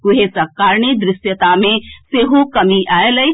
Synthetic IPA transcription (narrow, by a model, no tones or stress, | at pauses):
ʊɦesɐkːaːɾɳəd̪ɾɪsjət̪amẽseːɦokɐmiʔaːelɐj